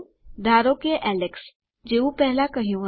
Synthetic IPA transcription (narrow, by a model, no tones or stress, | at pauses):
d̪ʱaːɾõkeʔɛːleks | d͡ʒeːũpɛɦlakɐɦijõ